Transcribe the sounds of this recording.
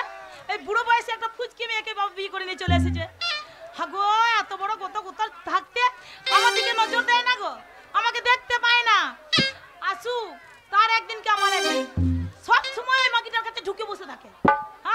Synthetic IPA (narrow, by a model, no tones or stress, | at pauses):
ejbuɽobɔjesɛk̚ʈapʰud͡ʒkimiekejbʱabbikoɾinejt͡ʃoleas̬id͡ʒehaɡoɛt̪obɔɽoɡɔt̪okut̪ɔɾt̪ʰak̚t̪etamad̪ʱikenɔd͡ʒoɾd̪ɛjnaɡo | amaked̪ek̚t̪ep̪ajna | asu | t̪aɾɛk̚d̪inkeamaɾaɡɔɾisɔbʃɔmɔjejmakiʈaɾkʰat̪ʰeɖʱukeboset̪ʰakea